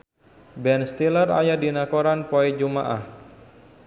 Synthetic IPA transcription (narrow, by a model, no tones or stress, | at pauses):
bɛnst̪iləra̰jadinakoɾanpoɛd͡ʒumaʔa̰h